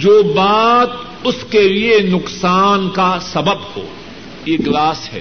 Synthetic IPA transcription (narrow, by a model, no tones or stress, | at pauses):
d͡ʒoːbaːt̪̚ | ʊskelienʊqsaːnkasɐbəbho̰ː | jeːɡlaːsɦɛ̰ː